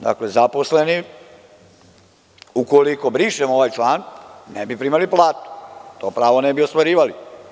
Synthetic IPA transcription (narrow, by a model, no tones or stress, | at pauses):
d̪a̰klezapo̞sleni | ukolikobɾiʃemoʋajt͡ʃlaːnnebipɾiːmaliplˠaːt̪u̥t̪oːpɾaːʋonɛbiost̪ʋaɾiːʋali